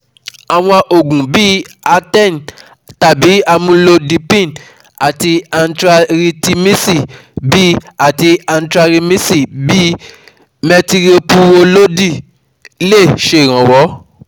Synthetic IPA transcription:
a˨w̃ɔ̃˧ʔo˨ɡũ˨bi˦ | a˧tɛ˦˨n˨ | ta˨bi˨˦a˧mũ˧lo˧di˧pĩ˦˨n | a˨ti˧a˧n̩˦tɾa˧ɾi˧ti˦mĩ˦si˦˨bi˦a˨ti˧a˧n̩˦tɾa˧ɾi˧mĩ˦si˦˨bi˦ | mɛ˧ti˧ɾi˦o˧pu˦wo˧lo˦di˦˨˦ | le˦˨ʃe˧˨ɾ̃ã˨wɔ˨˦

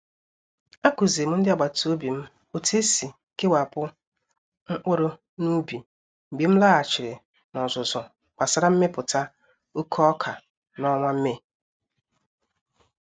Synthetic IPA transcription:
a˦ku˨ze˨m̩˦n̩˦dɪ˦a˨ɡ͡ba˨to˦bi˨m̩˦ | o˨tʰe˦si˨ | ke˦wa˨pʊ˦ | ŋ̩˦ʔo˦ɾo˦ | nu˦bi˨ | m̩˨ɡ͡bi˨m̩˦laː˦a˨t͡ʃɪ˨ɾɪ˨ | nɔ˨zʊ˨zɔ˨ | k͡pa˨sa˦ɾa˦m̩˦me˦pʊ˨ta˦ | o˦kʰɔ˦ɔ˦kʰa˨ | nɔ˦ŋʷa˦m̩˦me˦

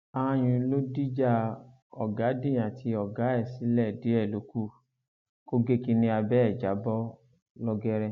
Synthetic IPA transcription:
a˧ã˧j̃ũ˧˨˦lo˦di˦d͡ʒa˦ | ɔ̰˨ɡa˨˦dĩ˦˨j̃ã˨tʰi˧ɔ˨ɡa˨˦ɛ˦˨si˨˦lɛ˦˨di˨˦ɛ˦˨lo˨˦ku˦ | ko˦ɡe˦ki˧nĩ˧a˧bɛ˦ɛ˦˨d͡ʒa˨˦bɔ˦ | lɔ˧ɡɛ˦ɾɛ˧

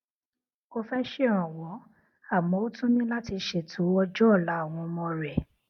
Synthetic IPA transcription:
o˧fɛ˦ʃe˦˨ɾ̃ɔ̃˨wɔ̃˨˦ | a˦˨mɔ̃˨˦o˦tũ˦nĩ˦la˦ti˧ʃe˨tʰũ˨˦ɔ˦d͡ʒɔ˦˨la˨˦a˦˨w̃ɔ̃˧mɔ̃˧ɾɛ˨

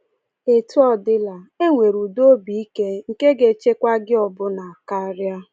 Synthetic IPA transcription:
e˨tu˦ɔ˦dɪ˦la˨e˦ŋʷe˨ɾu˨do˦bi˨i˦ke˦ŋ̩˨ke˦ɡe˨t͡ʃe˦kʷa˦ɡɪ˦ɔ˨bʊ˦na˨a˨ka˦ɾja˦

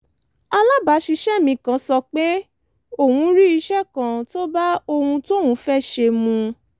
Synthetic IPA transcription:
a˧la˦ba˨˦ʃi˧ʃɛ˦˨mĩ˧kã˨˦sɔ˧k͡pe˦ | o˦˨wũ˧˦ɾi˦i˧˦ʃɛ˦˨kã˨to˦ba˦o˧hũ˧to˦wũ˨˦fɛ˦ʃe˧mũ˧

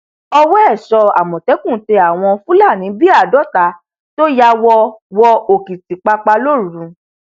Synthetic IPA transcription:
ɔ˧wɔ˦ɛ˦˨ʃɔ˧a˨mɔ̃˨tɛ˨˦kũ˦˨˦te˧˦a˨w̃ɔ̃˧fũ˦la˦˨nĩ˨˦bi˦a˦˨dɔ˨˦ta˨˦ | to˦ja˧wɔ˧wɔ˧o˨ki˨ti˨k͡pa˧k͡pa˧lo˦˨ɾũ˨˧˦

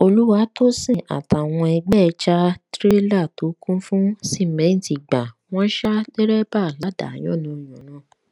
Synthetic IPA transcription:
o˧lu˦wa˧˦to˦sĩ˦˨ʔa̰˨ta˨w̃ɔ̃˧ɛ˧ɡ͡bɛ˦˧t͡ʃa˦tɾe˦la˦˨to˨˦kũ˦fũ˦si˦˨mɛ̃˨˦n̩˨ti˨ɡ͡bã˨w̃ɔ̃˦ʃa˦de˦ɾɛ˦ba˦˨la˨˦˨da̰˨j̃ɔ̰̃˦˨nũ˨˦ĩ˨ɔ̃˨˦nãː˦˨

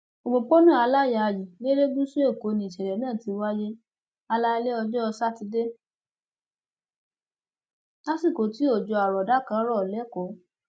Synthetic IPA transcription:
o˨ɡ͡bõ˨k͡pɔ˦nũ˦˨a˧la˦˨ja˨ji˨nĩ˦ɾe˦ɡ͡bũ˦su˦e˦˨ko˨˦nĩ˨ʃɛ˨ɾɛ˨nãː˦˨ti˨˧wa˦je˦ | a˧la˦˧˦le˦ɔ˧d͡ʒɔ˦ɔ˧sa˦ti˧de˦ | la˦si˦˨ko˨ti˨˦o˦˨d͡ʒɔ˧a˨ɾɔ˨da˨˦kã˨˦ɾɔ˦˨lɛ˨˦kɔ˨˦

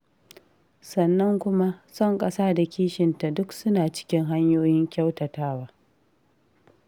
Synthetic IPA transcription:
sɐ˨nːɐ˦ŋkʷʊ˦ma˦sɔ˦˨ŋkʼɐ˦saː˦da˨kʲiː˦ʃɪ˨nta˨dʊ˦ksʊ˦naː˨t͡ʃɪ̥˦kʲɪ˦ŋɦa˦ɲjoː˦jɪ˦ŋkʲa˦wtɐ˨taː˦waː˦

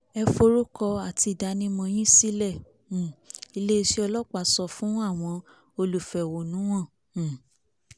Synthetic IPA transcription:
ɛ˧fo˧ɾo˦kɔ˧a˨ti˧˨da˨˧nĩ˧mɔ̃˧j̃ĩ˦si˦lɛ̃˦˨ | i˧le˦i˧ʃi˦ɔ˧lɔ˦k͡pa˨sɔ˧fũ˦a˦˨w̃ɔ̃˧ | o˧lu˨fɛ˨wo˨nũ˨˦w̃ɔ̃˦˨

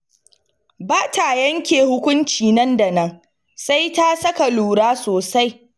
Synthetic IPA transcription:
baː˦ta˨jɐ˦ŋkʲeː˨hʊ˦kʷʊ˦nt͡ʃiː˨nɐ˦nda˨nɐ˦ŋ | sa˦jta˦sɐ˦ka˨luː˨ɽaː˦soː˨sa˦j

